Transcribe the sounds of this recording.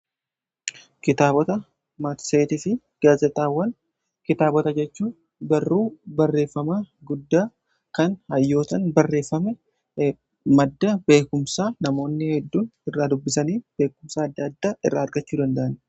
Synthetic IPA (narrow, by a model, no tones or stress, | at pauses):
kɪt̪aːbɔt̪ɐ | mɐt̪seːt̪ɪfɪ | ɡ̥aːzɛt̪ʼaːwːɐn | kɪt̪aːbɔt̪ɐd͡ʒɛt͡ʃːuː | bɐrːuːbɐrːe̞ːfːɐmaːɡʊd̪ːaː | kɐnhɐjːo̞ːt̪ɐnbɐrːe̞ːfːɐmɛ | mɐd̪ːɐbe̞ːkʊmsaːnɐmo̞ːnːɪhɛd̪ːuːnɪrːaːd̪ʊbːɪsɐniːb̥e̞ːkʊmsaːɐd̪ːɐɐd̪ːaːʔɪrːaːɐɾɡɐt͡ʃːuːd̪ɐnd̪ɐʔɐn